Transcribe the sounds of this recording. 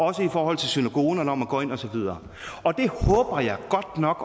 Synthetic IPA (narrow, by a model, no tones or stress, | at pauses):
ɒ̽səifɒːhɒ̽l̰t͡sʰe̝lsynæɡ̥o̝ːnɐnɒ̽mæɡ̥ɔ̰̽ːe̝nɒ̽sɒ̽ʋið̞ˠɐː | ɒ̽d̥e̝hɔ̽ːb̥ɐjɑ̈ɪɡ̥ɒ̽d̥nɒ̽ɡ̥